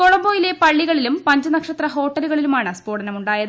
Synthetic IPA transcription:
k̪oɭɐmboːjile̞pɐɭːiɣɐɭilumpɐɲd͡ʑɨnɐkʂɐt̪rɐɦo̞ːʈːɐluɣɐɭilumaːɳɨspoːɽɐnɐmuɳɖaːjɐðɨ

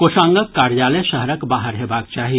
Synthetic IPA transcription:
koːsãːŋɡəkːaːɾjaːleʃəɦɾəkbaːɦəɾɦeːbaːk̚t͡ʃaːɦi

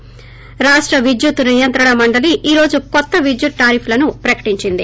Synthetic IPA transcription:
ɾaːʂʈɾɐʋid͡ʒjut̪unijɐnt̪ɾɐɳɐmɐɳɖɐliʔiːɾo̞ːd͡ʒukɔt̪ːɐʋid͡ʒjut̪̚ʈaːɾipʰlɐnupɾɐkɐ̥ʈiɲt͡ʃind̪i

